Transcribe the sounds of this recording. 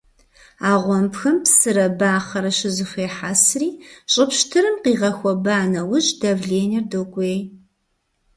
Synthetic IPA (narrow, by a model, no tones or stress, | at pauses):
aːʁʷɔmpxɐmpsɨɾɐbaːχɐɾɐʃɪzɨxʷeːħasriːɕʼɪpʃtʰɨɾɨmqiːʁɐxʷɔbaːnɐwʊʑʼdɐvɮeːnɪrdoːkʷʼeːj